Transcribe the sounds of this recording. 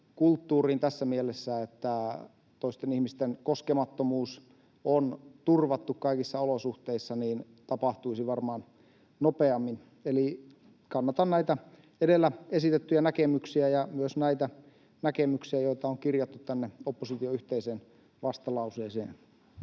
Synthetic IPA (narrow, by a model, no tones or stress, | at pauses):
kult̪ːuːriːnt̪æsːæmielesːæet̪ːæ | t̪oist̪enihmist̪enkoskemɑt̪ːomuːs | ont̪urʋɑt̪ːukkɑikisːɑolosuht̪eisːɑniːn | t̪ɑpɑht̪uisiʋɑrmɑːn | nopeɑmːin | eli | kɑnːɑt̪ɑnnæit̪æ | edelːæesit̪et̪ːyjænækemyksiæjɑmyøsnæit̪æ | nækemyksiæjoit̪ɑoŋkirjɑt̪ːut̪t̪ænːeopːosit̪ioyht̪eiseːn | ʋɑst̪ɑlɑuseːsḛːn